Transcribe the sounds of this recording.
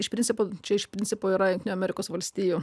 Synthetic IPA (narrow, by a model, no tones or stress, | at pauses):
ɪʃpʲɾʲɪnʲsʲɪpoːt͡ʃʲɛɪʃpʲɾʲɪnʲsʲɪpoːiːɾɐjʊŋkt̪ʲɪnʲʊːɐmʲɛɾʲɪkoːsʋɐlʲsʲt̪ʲiːjuː